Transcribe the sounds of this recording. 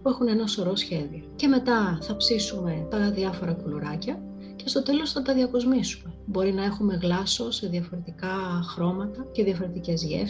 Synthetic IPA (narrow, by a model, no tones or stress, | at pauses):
pue̞xunenɐso̞ɾo̞sçe̞ðio̞ce̞me̞t̪ɐθɐpsisume̞t̪ɐðiɐfo̞ɾɐkuloɾɐcɐ | ce̞st̪o̞t̪e̞lo̞sθɐt̪ɐðiɐko̞zmisume̞bo̞ɾinɐe̞xume̞ɣlɐso̞se̞ðiɐfo̞ɾe̞t̪ikɐxɾo̞mɐt̪ɐce̞ðiɐfo̞ɾe̞t̪ice̞zʝḛf